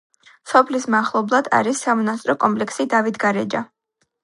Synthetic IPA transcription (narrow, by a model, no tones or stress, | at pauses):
sɔpʰlismaχlˠɔblˠad̪a̰ɾisːamɔnast̪ʼɾɔkʼɔmpʼlɛksid̪avit̪ʰɡaɾɛd͡ʒa